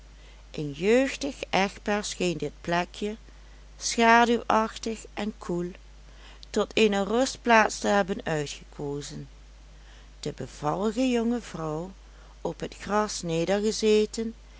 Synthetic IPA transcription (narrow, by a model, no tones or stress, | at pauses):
ʔənjøːɥxtəxʔɛx̚baɹsxejndɪt̚plɛkʰjə | sxaːdywʔɑxtəxʔɛnkʰulˠ | tɔtʰejnərɵstplaːtstəɦɛbənœɥtxəkʰoːzən | d̥əbəv̥ɑlˠəɣəjɔŋəvrɔw | ɔpɦətxrɑsneːdəɹɣəzeːtən